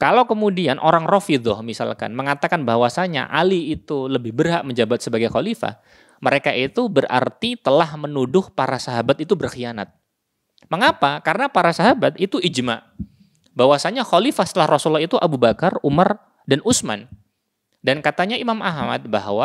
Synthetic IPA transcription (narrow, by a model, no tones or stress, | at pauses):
kalawkəmudianʔoɾaŋrɔfid̪ɔhmisa̰lka̰nməŋat̪akanbaɦwasaɲa̰ʔa̰liːt̪uləbɪhbərɦaʔməɲd͡ʒabat̪̚səbaɡajxɔlifa̰h | məɾekaʔit̪ubəra̰rt̪it̪əlahmənudʊhpaɾasaɦabat̪it̪ubərxiana̰t̪̚ | məŋapakaɾənapaɾasaɦabat̪it̪uid͡ʒma̰ʔ | bawasaɲaxɔlifasə̥t̪əlahrɔsulɔhit̪uʔabubakarumar | danusma̰n | dankat̪aɲaimamaɦma̰t̪̚baɦwa